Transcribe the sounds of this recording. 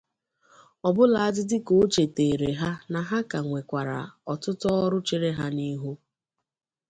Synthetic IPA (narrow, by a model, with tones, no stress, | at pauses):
ɔ˨bʊ˦la˨a˦˨dɪ˦dɪ˦ko˨˦t͡ʃe˨te˨ɾe˨ɦa˦na˨ɦa˦ka˨ŋʷe˨kʷa˨ɾa̰˨ɔ˨tʊ˦tɔ˦ɔ˦ɾʊ˦t͡ʃe˨ɾe˦ɦa˦ni˦ɦu˦